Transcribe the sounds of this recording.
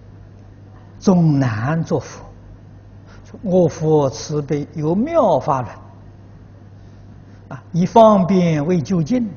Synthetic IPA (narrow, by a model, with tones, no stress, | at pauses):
t͡sʊ˧˥˩ŋna˧˦˥nt͡swɔ˥˩fu̥˨˧˩ | ŋɔ˥˧˩fɔ˧˥t͡sʰɹ̩˧˥pe˧˩jo˧˥ʊmjɑ˥˧ʊfa˥lwa˧˦n | a˧i˧˥fɑ˥˧ŋpjɛ˥˧nwe˥˧ɪt͡ɕjo˥˧ʊt͡ɕi˥˧n